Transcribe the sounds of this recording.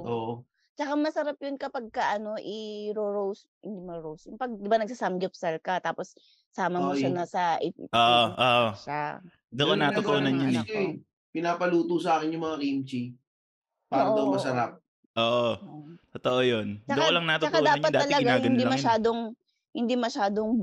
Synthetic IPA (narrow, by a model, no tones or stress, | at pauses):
ʔoːʔo | t͡ʃɐkamɐsɐɾap̚jʊnkɐpɐɡ̚kɐʔɐno̞ʔɪɾoɹows | hɪnd̪imɐɾowsʊmpɐɡ̚d̪ɪbanɐɡ̚sasɐmɡɪpsɐlkɐt̪aːposː | aːmɐmoʃanɐsɐʔɪoːʔoʔoːʔoa | d̪ɐkonɐt̪ooːnɐnɲnɛ | pɪnaːpɐluːt̪usɐaːkɪnjʊŋmɐŋakimt͡ʃi | paːɾɐd̪ɐwmɐsɐɾap̚ | ʔoːʔoot̪ot̪oʔojondt͡ʃɐokolɐŋnɐt̪oɐkad̪ːpɐtd̪aːɐlɐɪɡaaːɡhɐnilmɐʃaːd̪o̞ŋ | hɪnd̪imɐʃaːd̪o̞ŋ